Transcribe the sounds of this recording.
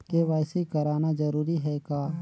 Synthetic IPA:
keʋaːsikəɾaːnad͡ʒɐɾuːɾiɦɛɡaː

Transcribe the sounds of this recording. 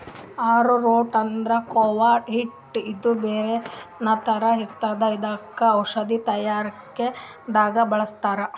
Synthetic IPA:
aːɾuɾoːʈɐnd̪ɾɐkoʋaːʈɦiʈː | id̪ubeːɾenɐt̪ɐɾɐɦiɾt̪aːd̪ɐid̪aːkːɐːwʂɐd̪it̪ɐjaːɾɐkːe | d̪aːɡɐbɐɭɐst̪aːɾɐ

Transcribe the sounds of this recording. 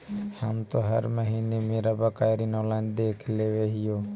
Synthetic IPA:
hamt̪oɦəɾməɦinemeɾabakajɾinɔland̪ekʰleʋeɦijo

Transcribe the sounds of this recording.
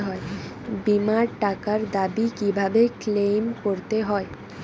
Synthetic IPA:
ɦɔe | bimaɾʈakaɾd̪abikibʱabeklejmkoɾt̪eɦɔe

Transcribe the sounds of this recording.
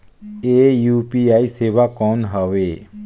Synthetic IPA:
eːjuːpiːaːiseːʋakɔːnɦaʋeː

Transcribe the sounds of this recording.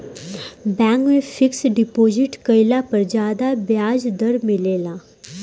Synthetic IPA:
bɛ̃ːŋkmẽfʰɪksɖɪpoːd͡ʒɪʈkəɪlapɐɾd͡ʒaːd̪abjaːd͡ʒd̪ɐɾmɪleːlãː

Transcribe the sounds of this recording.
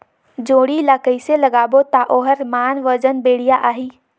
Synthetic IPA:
d͡ʒoːɽilaːkəiselɐɡaːbot̪aʔoːɦəɾmaːnʋəd͡ʒənbeːɽ̤ijaʔaːɦiː

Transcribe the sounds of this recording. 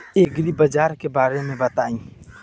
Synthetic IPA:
eːɡɾibəd͡ʒaːɾkebaːɾemẽbɐt̪aːĩː

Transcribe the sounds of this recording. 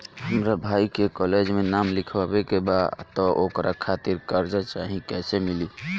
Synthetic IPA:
ɦəmɾabʱaikekɔled͡ʒmenamlikʰbabekebadt̪ɔʔokɾʔakʰat̪iɾkəɾd͡ʒat͡ʃaɦĩkɛsemili

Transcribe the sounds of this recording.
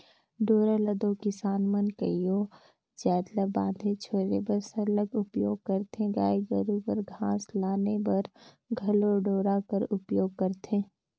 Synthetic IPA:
ɖoːɾaləd̪okɪsaːnmənkə̰ijoː | d͡ʒɛːd̪ləbã̰ːnd̪ʱet͡ʃʰoːɾnḛbɐɾsɐləɡʊpjo̰ːɡ̚kəɾt̪ẽɡa̰ːiɡəɾupəɾɡʱãːslaːnebɐɾ | ɡʱɐloɖoːɾaːkəɾʊpjoːɡ̚kəɾt̪ẽː

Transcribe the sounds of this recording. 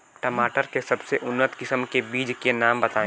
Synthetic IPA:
ʈɐmaːʈəɾkesɐbseʔʊnːət̪kɪsəmkebiːd͡ʒkenaːmbɐt̪ãː

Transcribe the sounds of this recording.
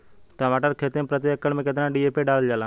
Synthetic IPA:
ʈəmaːʈəɾkʰeːt̪empɾət̪̬jeəkːəɽmẽket̪̬nãɖiepeɖaːlld͡ʒaːlã

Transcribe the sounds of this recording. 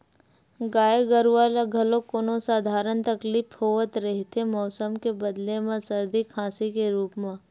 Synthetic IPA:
ɡaːeɡəɾʋalaɡʱɐlokoːnõsaːd̪ʱaːɾənt̪ɐkliːfhɦoːʋət̪ɾɐɦet̪emɔːsəmkebɐd̪lemãsəɾd̪ʱikʰãːsikeɾuːpmã

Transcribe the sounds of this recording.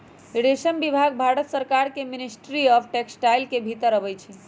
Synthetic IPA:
iɽesənbibʱaɡbʱaɽət̪səɾkaɾkeminisʈɾiɔpʰʈeksʈajlkebʱit̪əɾəbɛjt͡ʃʰi

